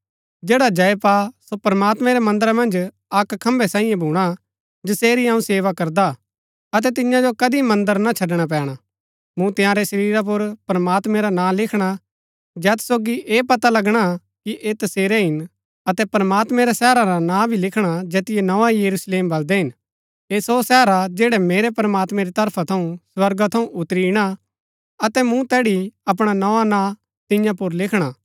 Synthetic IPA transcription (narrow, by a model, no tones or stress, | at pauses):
d͡ʒeːɽad͡ʒɐepaːsopɾmaːt̪mɛ̃ɾemɐ̃nd̪əɾamɐ̃nd͡ʒ | ɐkkʰɐ̃mbʱɛsãːĩjẽbʱuːɽ̃a | d͡ʒɪseːɾiãũseːʋakɐɾd̪a | ɐt̪̬ɛt̪̬ɪ̃jãd͡ʒokɐd̪imɐ̃nd̪əɾnat͡ʃʰɐɖɽ̃ap̬ɛːɽ̃a | mũt̪ɪãːɾɛsɐɾiːɾap̬ʊɾpɾɐmaːt̪mɛ̃ɾanãːlɪkʰɽ̃a | d͡ʒɛːt̪ʰsoːɡiʔeːpɐt̪alɐɡɽ̃a | kiʔeːt̪ɐseːɾeɦɪn | ɐt̪ɛpɾəmaːt̪mɛ̃ɾasɛːɾaɾanãːbʱilɪkʰɽ̃ad͡ʒeːt̪ɪjenɐʋajɐɾusleːmbɐld̪ɛɦɪn | eːsosɛːɾad͡ʒeːɽɛmeːɾepɾmaːt̪mɛ̃ɾit̪ɐɾpʰat̪ʰɐũswɐɾɡat̪ʰɐũʔʊt̪ːɾiɪɽ̃a | ɐt̪ɛmũt̪ɛːɽiɐp̬ɽ̃anɐʋanãː | t̪ɪ̃jãp̬ʊɾlɪkʰɽ̃a